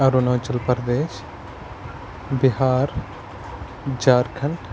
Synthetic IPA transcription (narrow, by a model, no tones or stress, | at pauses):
ɐɾonɐt͡ʃɐlpɐɾd̪eːʃ | biɦaːɾ | d͡ʒaːɾkʰɐɳʈ